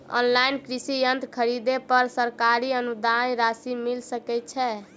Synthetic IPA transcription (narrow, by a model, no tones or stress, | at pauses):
ɔ̰nlainkɾisijənt̪kʰəɾid̪epəɾsəɾkaɾiənud̪ajɾasimilsəkɛt̪̚t͡ʃʰɛ